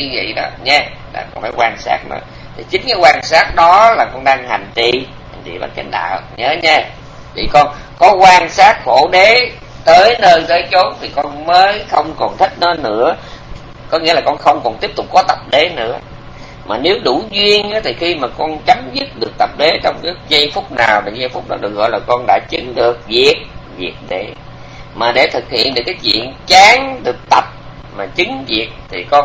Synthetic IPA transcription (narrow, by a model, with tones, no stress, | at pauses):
ɨ˧vḭ˧˨ɗɔ˨˦ɲɛ˧la̰ː˨˩kɔ˧nfaː˨˧˦jkwaː˧nsa̰ː˦˥t̚mə̰ː˨˩ | t̪ʰi˨˩t͡ɕï˨˦ŋ̟kaː˨˦jkwaː˧nsaː˦˥t̚ɗɔ˨˦laː˨˩kɔ˧nɗaː˧ŋɦa˨˩jŋ̟t͡ɕḭ˧˨ | ha̰˨˩ŋ̟t͡ɕḭ˧˨˩ɓa̰ː˧˩nka̰˧˩˦ŋ̟ɗa̰ː˧˨˩ɲəː˨˦ɲɛ˧ | t̪ʰi˨˩kɔ˧n | kɔ˨˦kwaː˧nsaː˦˥t̚xo˧˩ɗe˨˦ | t̪əː˨˦jnəː˧jt̪əː˨˦jt͡ɕo˨˦t̚t̪ʰi˨˩kɔ˧nməː˨˦jxə˧wŋ͡mkɔ˨˩nt̪ʰï˦˥k̟̚nɔ˨˦nɨ̰˧˥ə | kɔ˨˦ŋi˧˥laː˨˩kɔ˧nxə˧wŋ͡mkɔ˨˩nt̪i˦˥əp̚t̪ʊ˨˩k͡pːɔ˨˦t̪ə˨˩p̚ɗe˨˦nɨ̰˧˥ə | maː˨˩ne˨˦wɗu˧˩zwi˧ənʔaː˨˦t̪ʰi˨˩xi˧maː˨˩kɔ˧nt͡ɕa˨˦mzɨ˦˥t̚ɗɨ˨˩ək̚t̪ə˨˩p̚ɗe˨˦t͡ɕɔ˧wŋ͡mkɨ˨˦zə˧jfʊ˦˥k͡p̚naː˨˩wɗa˨˩zə˧jfʊ˦˥k͡p̚ɗɔ̰˨˦ɗɨ˨˩ək̚ɣɔ̰˧˨jlaː˨˩kɔ˧nɗa̰ː˧˥t͡ɕɨ˨˦ŋɗɨ˨˩ək̚vi˨˩ət̚vḭ˨˩ək̚ɗe˧˩ | maː˨˩ɗe˧˩t̪ʰɨ˨˩k̚hḭ˧ənɗɨ˨˩əkːaː˨˦jt͡ɕwḭ˧˨ənt͡ɕaː˨˦ŋɗɨ˨˩ək̚t̪ə˨˩p̚ | maː˨˩t͡ɕɨ˨˦ŋvi˨˩ət̚t̪ʰi˨˩kɔ˧n